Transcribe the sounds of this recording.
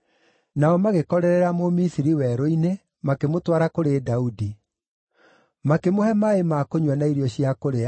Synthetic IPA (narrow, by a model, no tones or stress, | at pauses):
naɔmaɣekɔɾɛɾɛɾamomisiɾiwɛɾoine | makemotwaɾakoɾedaudi | makemohɛmaemakoɲwanaiɾjɔɕiakoɾea